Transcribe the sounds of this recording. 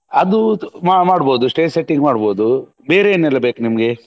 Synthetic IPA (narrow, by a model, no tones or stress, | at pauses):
ɐd̪umamaːɽboːd̪usʈeːseʈːiŋɡmaːɽboːd̪u | beːɾeːnɛlːɐbe̞ːkunimɐɡe̞